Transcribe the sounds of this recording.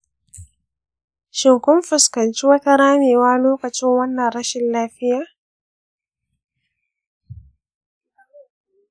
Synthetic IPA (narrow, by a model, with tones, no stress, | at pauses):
ʃɪ˨ŋkɔ˦mfʊ˨skɐ˨nt͡ʃi˦wa˦ta˦ɾaː˦miː˨waː˦loː˦kɐ˨t͡ʃɪ˦ŋwɐ˦nːɐ˨ɾa˦ʃɪ˦nlaː˦fɪ˦ja˦